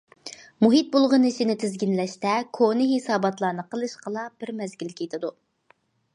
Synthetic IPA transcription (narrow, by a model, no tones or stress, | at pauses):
muɦit̪̚bolˠʁənɨʃinɪt̪ʰɪzɡʲinlɛʃt̪ɛkʰonɨɦesɑːbɑt̪lˠɑːnɨqʰəlˠɨʃqʰəlˠɑb̥ɪɾmɛzɡʲilkʲʰet̪ʰɪd̪u